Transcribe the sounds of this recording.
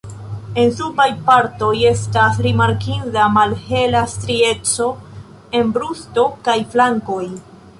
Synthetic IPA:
e̞nsubajpaɾto̞je̞stasɾimaɾkinzamalhe̞lastɾie̞t͡so̞ | e̞nbɾusto̞kajflaŋko̞j

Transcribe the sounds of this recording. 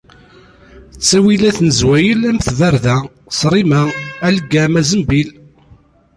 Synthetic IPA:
t͡sːæwilæθnəzwæjəlæmθvæɾðæ | sɾˤimæælɡːæmæzəmbil

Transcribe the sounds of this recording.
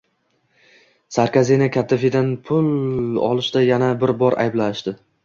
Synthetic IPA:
saɾkʲazinakʲʰat̪ʰːafid̪anpʰʊlˠɒ̰lˠɪʃd̪ajanabɪɾbɒɾʔa̰jblanɪʃd̪ɪ

